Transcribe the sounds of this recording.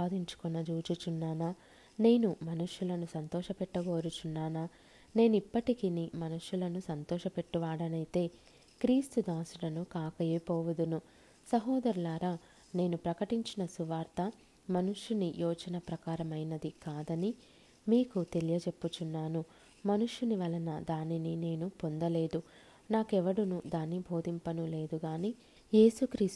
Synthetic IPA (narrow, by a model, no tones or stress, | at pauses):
aːd̪iɲt͡ʃu̥kɔnːɐd͡ʒuːt͡ʃit͡ʃunːaːnaː | ne̞ːnumɐnuʂjulɐnusɐnt̪ɔːʃɐpɛʈːɐɡoːɾut͡ʃunːaːnaː | ne̞ːnuipːɐʈikinimɐnuʂjulɐnusɐnt̪ɔːʃɐpe̞ʈːuʋaːɽɐnɐjit̪e̞ː | kɾiːst̪ud̪aːsuɽɐnukaːkɐjɐpɔːʋɐd̪unu | sɐɦɔːd̪ɐɾulaːɾaː | ne̞ːnupɾɐkɐʈiɲt͡ʃinɐsuʋaːɾt̪ɐ | mɐnuʂjunijʔɔːd͡ʒɐnɐpɾɐkaːɾɐmɐjnɐd̪ikaːd̪ɐni | miːkut̪e̞lijɐt͡ʃe̞pːut͡ʃunːaːnu | mɐnuʂjuniʋɐlɐnɐd̪aːninine̞ːnupo̞nd̪ɐle̞ːd̪u | naːkɛʋɐɽunud̪aːnːibʱo̞ːd̪impɐnule̞ːd̪uɡaːni | je̞ːsukɾiːs